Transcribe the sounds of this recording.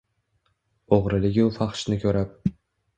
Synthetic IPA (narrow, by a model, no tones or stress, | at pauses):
oʁɾɪlɪɡʲʊfɑχʃnɪkʲʰɵɾap̚